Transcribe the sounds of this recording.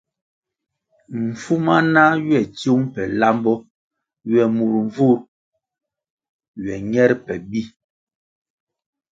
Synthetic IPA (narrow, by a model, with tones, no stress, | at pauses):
m̩˨fu˦ma˦na˦ɥɛ˨tjo˦ŋpɛ˨la˦mbɔ˦ | ɥɛ˨mu˨ɾɱ˨vu˦ɾ | ɥɛ˨ɲɛ˦ɾpɛ˨bi˦